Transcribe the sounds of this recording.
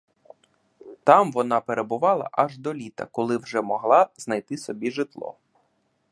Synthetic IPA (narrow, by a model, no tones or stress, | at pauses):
t̪ɑmʋɔnɑpeɾebʊʋɑlˠɐ̰ʔɐʒd̪ɔlʲit̪ɐ̰kɔlˠɪwʒɛmɔɦlˠɑznɐjt̪ɪsɔbʲiʒɪt̪lˠɔ̰